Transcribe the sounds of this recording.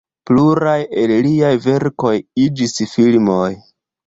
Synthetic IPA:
pluɾaje̞lliajve̞ɾko̞jid͡ʒisfilmo̞j

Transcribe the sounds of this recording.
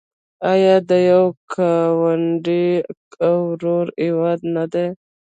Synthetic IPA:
ajɑd̪əjawkʰawaɳɖiawɾoɾiwɑd̪nad̪e

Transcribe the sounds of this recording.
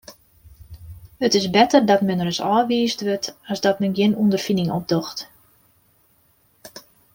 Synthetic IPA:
ətɪsbɛtərdɔtmɛnrəsɔ̰ːʋiːsdʋøtɔsdɔtmɛnɡjɪnundərfinɪŋɔb̚doxt

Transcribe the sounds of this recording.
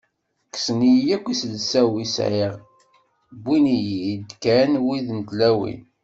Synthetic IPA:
ksnijjækʷːisəlsæwisʕiʁ | bːinijid̪kænwiðənt̪læwḭn

